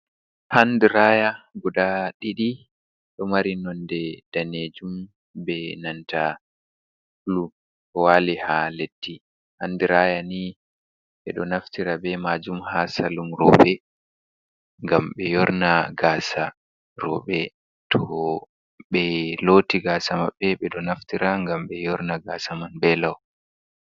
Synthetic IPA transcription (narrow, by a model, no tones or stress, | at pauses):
handiɾajaɡuɗaɗiɗi | ɗɔmaɾinɔndɛd̥aned͡ʒum | bɛnanta | lu | kɔwalihaletːi | handuɾaːjani | ɓɛɗɔnaftiɾabɛmad͡ʒumhasalumɾɔ̰ɓɛ | ŋɡamɓɛjɔɾnaɡaːsa | ɾɔɓɛ | tʰɔ | ɓɛlotiɡaːsamaɓːɛɓɛɗɔnaftiɾaŋɡamɓɛjɔɾnaɡaːsamanbɛlaw